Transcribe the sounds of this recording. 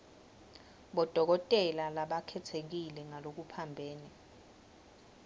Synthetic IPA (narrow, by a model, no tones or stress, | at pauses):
ɓɔd̥ʱɔk̬ɔtʼɛlalaɓakʰɛtʰek̬ilɛŋalok̬upʰambʱeːni